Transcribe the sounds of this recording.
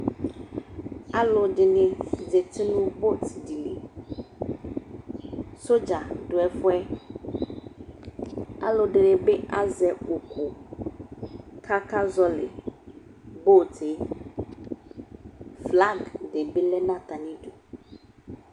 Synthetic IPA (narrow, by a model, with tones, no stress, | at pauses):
a˦lʊ˨dɪ˨nɪ̃˨zɛ˨tʰɪ˦nʊ̃˦bo˦tɪ˨di˨lɪ˨ | so˦d͡ʒa˨dʊ˨ɛ˨fʊ˦ɛ˦ | a̰˦lʊ˨dɪ˨nɪ̃˨bɛ˦ʔa˦zɛ˨ʊ˨kʰʊ˨ | kʰa˦ka˦zɔ˦lɪ̰˨ | bo˦˨tʰɪ˨ | fla˦ɡdɛ˨bɪ˦lɛ˦nã˦˨tʰa˨nĩ˦dʊ˨